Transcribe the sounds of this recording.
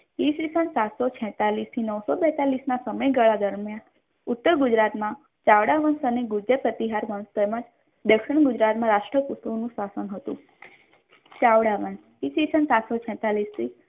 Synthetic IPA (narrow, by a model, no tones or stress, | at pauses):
isisənsat̪sɔt͡ʃʰɛ̃t̪alist̪ʰinəwsobɛt̪alisnasəməjɡəɭad̪əɾmjan | ʊt̪ːəɾɡud͡ʒɾat̪mã | t͡ʃaʋɽaʋənsəneɡud͡ʒepɾət̪iɦaɾʋənst̪ɛməd͡ʒ | d̪əkʃəɳɡʊd͡ʒɾat̪mãɾaʂʈɾəpust̪onũsasənɦət̪ṵ̃ | t͡ʃaʋɽaʋəns | isisənsat̪sɔt͡ʃʰɛ̃t̪alist̪ʰi